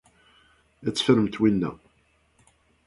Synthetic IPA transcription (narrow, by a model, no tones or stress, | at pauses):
æt͡sːfəɾəmt̪winːæ̰